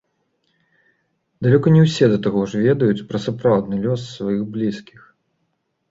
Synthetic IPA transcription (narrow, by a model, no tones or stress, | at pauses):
d̪alʲɔkɐnʲɛwsʲɛd̪ɐt̪aɣɔʐvʲɛd̪ɐjut͡sʲpɾɐsapɾawd̪nɨlʲɔsːvajiɣblʲiskʲix